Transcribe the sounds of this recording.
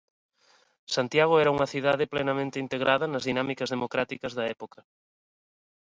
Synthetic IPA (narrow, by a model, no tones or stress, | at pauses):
sant̪jaɣoɛɾɐuŋɐθiðaðɪplenɐmẽnt̪ɪint̪eɣɾʔaðɐnɐzðinamikɐzðemokɾat̪ikɐzðɐɛpokɐ